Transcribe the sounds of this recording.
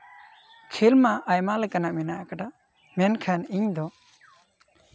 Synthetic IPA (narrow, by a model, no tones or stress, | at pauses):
kʰilmaʔːjmalɛkanaʔminaʔakaʈa | mɛnkʰaniɲd̪ɔ